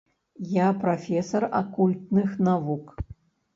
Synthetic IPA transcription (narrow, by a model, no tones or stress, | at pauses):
japɾafʲɛsɐrakulʲt̪̚nɨxnavuk